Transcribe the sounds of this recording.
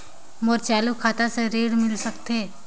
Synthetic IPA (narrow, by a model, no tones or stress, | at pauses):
moɾt͡ʃaːlukʰaːt̪aseɾeːɽmɪlsɐkt̪eː